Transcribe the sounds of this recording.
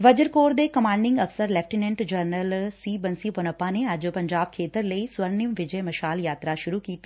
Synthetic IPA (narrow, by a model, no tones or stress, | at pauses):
ʋəd͡ʒəɾkoːɾd̪eːkəmãːɳɖɪ̃ŋɡəfsəɾlɛːp̚ʰʈinɛ̃ɳʈd͡ʒəɾnəlsiːbənsiːpənəpːãːneːəd͡ʒpəɲd͡ʒaːb̚kʰeːt̪əɾləiːswəɾnɪəmʋɪd͡ʒeːməʃaːljaːt̪ɾaːʃʊɾuːkiːt̪i̥